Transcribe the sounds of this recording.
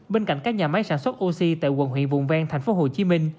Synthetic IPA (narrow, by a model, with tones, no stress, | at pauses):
ɓe˧nka̰˧˨jŋ̟kaː˦˥k̚ɲaː˨˩ma˨˦jsaː˧˩nswə˦˥t̚ʔo˧si˧t̪a̰ː˧˨jɣwə̰˨˧˩nɦwḭ˧˨ənvʊ̰˧˨ŋ͡mvaː˧ŋt̪ʰɛ˨˩ŋ̟fo˨˦ɦo˨˩t͡ɕi˨˦mï˧ŋ̟